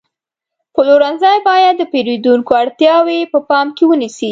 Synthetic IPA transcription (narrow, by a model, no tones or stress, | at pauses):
pəloɾanzɑjbɑjad̪ːəpeɾid̪uŋkoaɽt̪jɑwepəpɑmkewənisi